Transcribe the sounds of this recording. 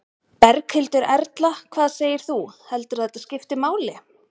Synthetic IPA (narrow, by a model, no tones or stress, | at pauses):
pɛɾkhɪlt̪ʏɾɛɾt̪lakʰv̥aːðseːjɪɾ̥θuhɛlt̪ʏɾ̥θat̪ascɪft̪ɪmaːwlɪ